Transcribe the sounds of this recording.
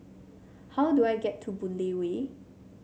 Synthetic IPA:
hawduajɡɛtʰːubũndewe

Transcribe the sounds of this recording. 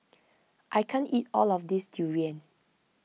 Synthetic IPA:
ʔajkʰãnitɔlɔfdisdʰuɹiə̃n

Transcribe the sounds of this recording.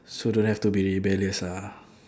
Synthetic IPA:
sodõnhɛftubiɹibɛləsa

